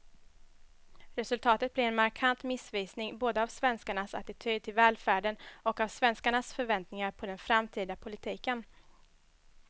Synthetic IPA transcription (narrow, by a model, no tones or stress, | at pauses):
ɾɛsɵlt̪ʰɑːt̪ət̪̚blɪɾɛnmaɾkʰant̪mɪsviːsnɪŋboːd̪əavsvɛnskaɳasa̰t̪ɪt̪ʰyːd̪̚t̪ʰɪlvɛːlfæːɖənɔkavsvɛnskaɳasfœɾvɛnt̪nɪŋaɾpʰɔd̪ɛnfɾamt̪ʰiːd̪apʰʊlɪt̪ʰiːkən